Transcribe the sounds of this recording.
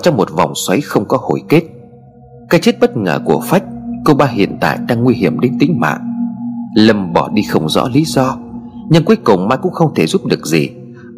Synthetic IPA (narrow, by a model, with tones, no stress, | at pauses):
t͡ɕɔ˧wŋ͡mmo˨˩t̚va̰˨˩wŋ͡mswə˨˦jxə˧wŋ͡mkɔ˨˦ho˧˩jke˦˥t̚ | kaː˦˥k̚t͡ɕe˦˥t̚ɓə˦˥t̚ŋə̰ː˧˩ku˧˩əfa˦˥jk̟̚ko˧ɓaː˧ɦḭ˧˨ənt̪a̰ː˧˨jɗaː˧ŋːwi˧ɦi˧˩əmɗe˨˦nt̪ï˨˦ŋ̟ma̰ː˧˨ŋ | lə˧˩mɓɔ˧˩ɗi˧xə˧wŋ͡mzɔ̰˧˥li˨˦zɔ˧ | ɲɨ˧ŋku˨˦jkʊ˨˩wŋ͡mmaː˧˨jkʊ̰˧˥ŋ͡mxə˧wŋ͡mt̪ʰe˧˩zu˦˥p̚ɗɨ˨˩ək̚zi˨˩